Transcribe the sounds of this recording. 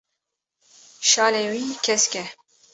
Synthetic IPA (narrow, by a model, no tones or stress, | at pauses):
ʃɑːlewiːkʰɛskʲɛ